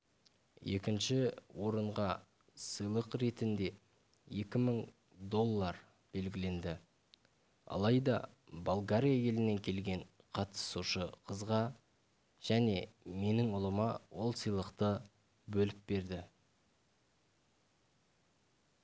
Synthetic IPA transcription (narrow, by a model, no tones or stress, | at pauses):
je̞̰kʲɪnʃɪwʔo̞ɾəɴʁɑ | səjlˠəqɾe̞t̪ɪnd̪e̞ | je̞kʲɪməŋ | d̪o̞lˠːɑɾ | b̥e̞lɡʲɪle̞nd̪ɪ | ɑ̰lˠɑjd̪ɑ̰ | bolˠɡaɾʲijaje̞lɪne̞ŋkʲʰe̞lɡʲe̞ɴqʰɑt̪ə̥suʃəqʰəzʁɑ | ʒ̥æne̞me̞nɪŋʊlˠəmɑwʔo̞lˠsijlˠəqt̪ə | bɵlɪp̚be̞ɾd̪ɪ